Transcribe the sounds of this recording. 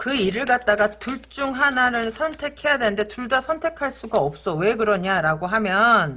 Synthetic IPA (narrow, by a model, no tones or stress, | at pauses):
kɯiɾɯɭɡat̚t͈aɡatuɭt͡ɕ͈uŋɦanaɾɯnsʰʌntʰe̞kʰe̞jadwe̞nɯnde̞tuɭdasʰʌntʰe̞kʰaɭs͈uɡaʌp̚s͈ʌwe̞ɡɯɾʌɲaɾaɡoɦamjʌn